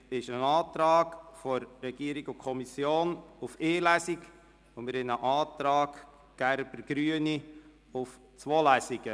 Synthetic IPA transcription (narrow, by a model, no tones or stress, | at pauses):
ɪʃənɑːtɾɑːɡfɔɾːɛɡ̥iəɾiɡʊkʰɔmisjoːnʊfeːlæsik | omɪɾɪnəʔɑːt̪ɾɑːɡ | ɡ̥æɾb̥əɾɡ̥ɾyəni | ʊf | t͡swoːlæsiɡ̥ə